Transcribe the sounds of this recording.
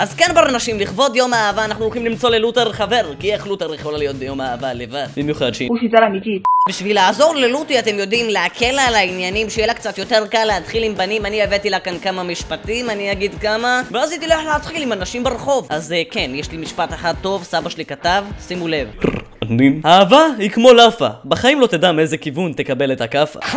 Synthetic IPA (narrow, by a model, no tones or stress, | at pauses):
ʔazkanbaʁanaʃimliχvo̞djo̞maːvaːnaχnulχimlimt͡so̞leluteʁχave̞ʁkieχluteɾiχolalijo̞t̪̚bejo̞maːvalevad̥b̥imjuχad̪ʃeuʃitalamit̪itbiʃvilaːzo̞ʁle̞lutiate̞mjo̞dimleakʰe̞lalainjanimʃejelakt͡sat̪jo̞te̞ʁkalːeat̪χilimbanimanievet̪ilakankamamiʃpatimaniaɡidkamaveazit̪ileħleat̪χilimanaʃimbeʁeχo̞vʔazkenjeʃlimiʃpataχad̚t̪ːo̞vsabaʃelikatavsimule̞v | animhaːvahikmo̞lafa̰baχaimlo̞t̪edamezekivunt̪e̞kabe̞letakafa̰